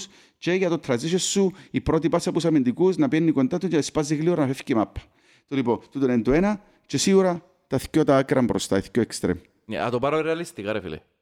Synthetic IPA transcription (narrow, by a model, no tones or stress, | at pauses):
s | t͡ʃeʝɐt̪ot̪ʰɾɐziʃesːuipɾot̪̬ipɐsːɐpusɐmind̪ikusnɐpienːikond̪at̪ut͡ʃeispaziɣlioɾɐnɐfefcimapʰːɐ̥ | t̪olipot̪ut̪onend̪uenɐ | t͡ʃesiɣuɾɐ | t̪ɐθcot̪ɐːkɾɐmbɾost̪ɐeθcoekst̪ɾḛm | nḛɐ̰t̪opɐɾoɾeɐlist̪ikaɾefḭlḛ